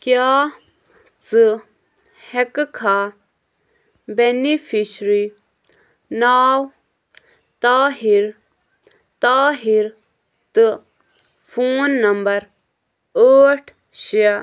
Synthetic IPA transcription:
kjaː | t͡sɨ | hekkʰaː | benifʰiʃɾi | naːw | t̪aːɦiɾ | t̪aːɦiɾ | t̪ɨ | fʰuːnːɐmbɐɾ | əːʈʰ | ɕia

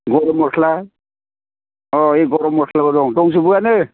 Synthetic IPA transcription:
ɡɔɾɔmɔkʰla | ɔeɡɔɾɔmɔkʰlabɔdɔŋtɔŋsubujanɯ

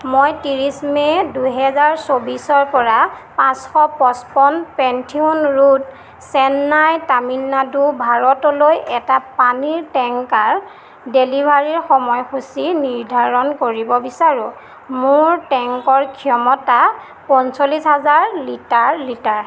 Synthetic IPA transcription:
mojtiɹismɛduɦɛzaɹsobisɔɹpɔɹapãsxɔpɔspɔnpɛntʰiunɹut | sɛnːajtaminːadubʱaɹɔtɔlojɛtapaniɹtɛŋkaɹ | delibʱaɹiɹxɔmɔjxusiniɹdʱaɹɔnkoɹibɔbisaɹʊ̃ | mʊɹtɛŋkɔɹkʰijɔmɔta | pɔnsolisɦazaɹlitaɹlitaɹ

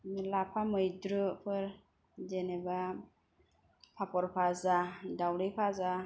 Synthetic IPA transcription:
lapʰamɯjdɾɯpʰɯɾ | d͡ʒeneba | pʰapɔɾpʰazadawɾɯjpʰaza

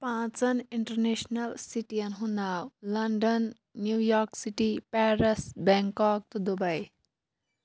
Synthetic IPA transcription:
pãt͡sɐniɳʈɐɾnesnɐlsiʈijɐnɦunawlɐɳɖɐnː | jujɔɾksiʈipɛɾesbɛŋkɔk̚t̪ɔd̪ubɐj

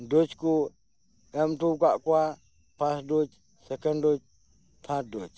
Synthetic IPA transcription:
dut͡ʃku | ɛmtukaʔkwa | pasdut͡ʃ | sɛkəndut͡ʃ | pʰat̚dut͡ʃ

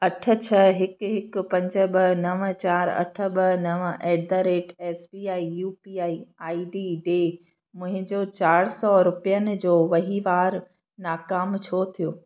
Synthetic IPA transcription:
ɐʈʰə̆t͡ɕʰɐɦɪkɦɪkpɐ̃ɲd͡ʑə̆bɐɦnɐʋət͡ɕaːɾɐ̰ʈʰə̆ɓɐɦnɐʋɛːd̪əɾeːʈɛːsbiːaːijuːpiːaːiaːiɖiːɖeː | mʊ̃ɦɪ̃d͡ʑoːt͡ɕaːɽsɔɾʊpijənɪ̆d͡ʑoːʋɐɦiʋaːɾ | naːkaːmt͡ɕʰot̪ʰijoː

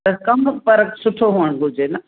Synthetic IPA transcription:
ɐkɐmpɐɾəksʊʈʰoɦoːəɽ̃ɡʱʊd͡ʑenɐ

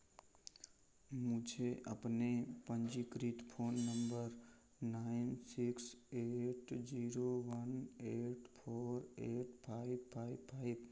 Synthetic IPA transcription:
mʊd͡ʒʱeʔə̰pnepə̃nd͡ʒikɾit̪pʰoːnːəmbəɾ | naɪnsɪkseʈd͡ʒiɾoʋəneʈpʰoːɾeʈpʰaɪbpʰaɪbpʰaɪb

